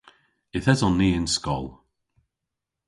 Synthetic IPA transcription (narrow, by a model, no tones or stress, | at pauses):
ɪθɛzɔnːiːɪnskɔlˠ